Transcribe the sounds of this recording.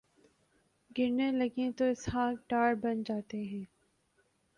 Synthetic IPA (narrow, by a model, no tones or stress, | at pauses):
ɡɪɾnelɐɡẽt̪oɪshãːʈaːɾbɐnd͡ʒaːt̪eɦɛ̃ː